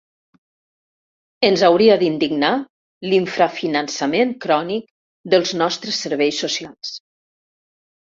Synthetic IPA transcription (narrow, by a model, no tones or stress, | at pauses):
ənzawɾiəd̪ind̪iɡna | liɱfɾafinənsəmenkɾɔnik | d̪əlˠznɔst̪ɾəsːəɾβejsːusialˠs